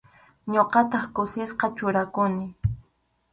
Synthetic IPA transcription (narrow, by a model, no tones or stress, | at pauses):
ɲoqɑt̪ɑχkʊsɪsqɑt͡ʃʊɾakʊnɪ